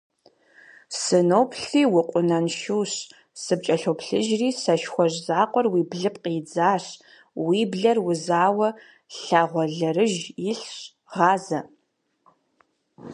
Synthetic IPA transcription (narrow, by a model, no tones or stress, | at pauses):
sɨnowpʰɬiːwʊqʷʼʊnɐnʃuːɕ | sɨp̚t͡ʃʼɐɬowpʰɬɨʒriːsɐʃxʷɔʑzaːqʷʼɔrwiːbɮɨpqʼiːd͡zaːɕ | wiːbɮɐrwʊzaːwɐ | ɬaʁʷɔɮɐrɨʒjɪɬɕ | ʁɑːzɐ